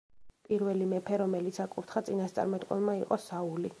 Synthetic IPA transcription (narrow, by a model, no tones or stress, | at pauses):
pʼiɾvɛlimɛpʰɛɾɔmɛlit̪sakʼuɾt̪ʰχat̪sʼinast̪sʼa̰ɾmɛt̪ʼqʼɔnlˠmaiqʼɔsauli